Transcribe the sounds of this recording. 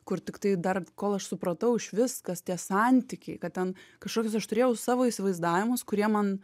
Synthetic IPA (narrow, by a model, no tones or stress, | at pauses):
kʊrt̪ʲɪkt̪ɐɪd̪ɐrkoːlˠɐʃsʊpɾɐt̪ɐʊɪʃʋʲɪskɐst̪ʲiɛsɑnʲt̪ʲɪkʲɛɪkɐt̚t̪ʲɛnkɐʃkoːkʲoːsɐʃt̪ʊɾʲeːjɛʊsɑːʋoːisʲɪʋɐɪzd̪ɑːʋʲɪmʊskʊɾʲiɛmɐn